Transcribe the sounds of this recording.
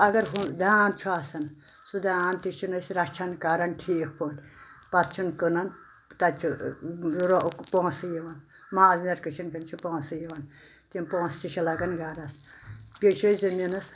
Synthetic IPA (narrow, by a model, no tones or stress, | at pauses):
ɐɡɐɾɦud̪aːnt͡ʃʰuasɐnsud̪aːnt̪it͡ʃʰinɐsɾat͡ʃʰankaːɾɐnʈʰiːkʰpʰonʲpat̪t͡ʃʰunkənɐn | t̪at͡ʃʰu | ɾopõːsɨjiʋɐn | maːznɐɾkɨt͡ʃʰinkɐnt͡ʃʰupõːsɨjiʋɐn | t̪inpõːst͡ʃit͡ʃʰilɐɡɐnɡaːɾɐspʲet͡ʃʰojzɨminɐs